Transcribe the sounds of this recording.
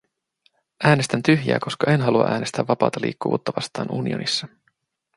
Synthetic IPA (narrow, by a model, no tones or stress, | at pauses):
ʔæːnest̪ænt̪yɦjæ̰ːko̞skɑe̞nɦɑluɑ̰ʔæːne̞st̪æʋːɑpɑ̰ːt̪ɑlḭːkːuʋuːt̪ːɑʋɑst̪ɑ̰ːnʔṵːnionisːɑ